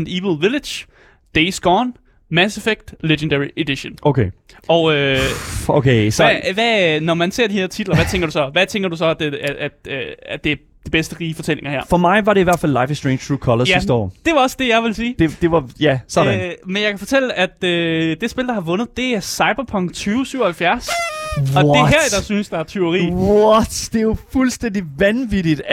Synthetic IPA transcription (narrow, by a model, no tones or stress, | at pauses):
niʋl̩ˠʋiled̥j | d̥eɪsɡ̥ɒːn | mæsefeɡ̥̚d̥leɡ̥ənd̥ɛie̝d̥iɕonʔoʊkʰeːɒʊø | o̰kʰeʋænɒmænse̝ɐ̰d̥ihe̝ɐt͡sʰid̥lɐʋæt͡sʰeŋ̰ɡɐdɾusɒ̽ʋæt͡sʰeŋɡ̥ɐd̥us̬ɒ̽æd̥eææd̥d̥e̝æɐ | d̥ib̥esd̥əʁiːfɒ̽t͡sʰel̰e̝ŋɐɦæɐ̰fɒ̽mɑ̈ɪʋɑ̈ɾe̝iʋæɐ̰dfælːɑ̈ɪfɪsd̥ʁeɪnʰʁuːkʰɒlɐjæisd̥əɒ̰d̥e̝ʋɑ̈ɒ̽sə̥d̥e̝jɑ̈ɪʋe̝lsiːd̥ed̥e̝ʋɑjæsɒdmenjɑɪkʰæfɒ̽t͡sʰel̰əæd̥ød̥e̝sb̥e̝ld̥ɑ̈hɑ̈ʋɔ̽nð̞̩ˠd̥e̝æɐsɑ̈ɪb̥ɐpʰɒ̽ŋ̰̥t͡sʰyːʊsyʊ̰ɐhælfjæɐsɒ̽d̥eɦæɐ̰id̥ɑsynsd̥ɑ̈æɐt͡sʰeʊʁḭːɒt͡sd̥e̝jofulsd̥en̰d̥iʋænʋid̥id̥